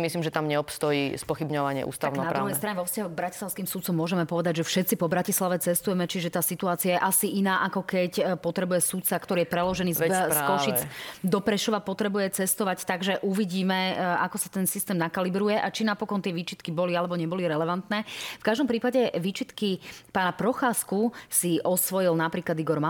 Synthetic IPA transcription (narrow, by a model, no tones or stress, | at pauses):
misliːmʒɛt̪amɲɛɔpst̪ɔjiːspɔxibɲɔʋaɲɪɛ̰ʔṵːst̪aʊnnaɾɾuɦɛjst̪ɾaɲɛʋɔfscaɦɔɡ̚bɾacislaʊskiːmsut̪t͡sɔmːʊɔʒɛmɛpɔʋɛd̪aɟʒɛfʃɛt̪t͡sipɔbɾacislaʋɛt͡sɛst̪ujɛmɛt͡ʃiʒɛt̪aːsit̪uaːt͡siajɛʔasiʔinaːʔakɔkɛcpɔt̪ɾɛbujɛsut̪t͡sakt̪ɔɾijɛpɾɛlɔʒɛniːzɛkɔʃit͡sd̪ɔpɾɛʃɔʋapɔt̪ɾɛbujɛt͡sɛst̪ɔʋact̪aɡʒɛʔuʋiɟiːmɛakɔsḁt̪ɛnsist̪ɛːmnakalibɾujɛʔat͡ʃinapɔkɔnt̪ɪɛʋiːt͡ʃit̪kibɔlialɛbɔɲɛbɔliɾɛlɛʋant̪nɛːfkaʒd̪ɔmpɾiːpaɟɛʋiːt͡ʃit̪kipaːnapɾɔxaːskusiʔɔsʋɔjilnapɾiːklad̪iɡɔɾma